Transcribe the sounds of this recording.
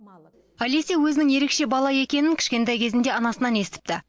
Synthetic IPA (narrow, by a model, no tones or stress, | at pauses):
æle̞se̞wɵzɪnɪŋje̞ɾe̞kʃe̞bɑlˠɑje̞kʲe̞nɪŋkʲʰɪ̥ʃkʲe̞nt̪ɑjkʲʰe̞zɪnd̪e̞ɑnɑsənɑne̞sɪt̪ɪ̥p̚t̪ɪ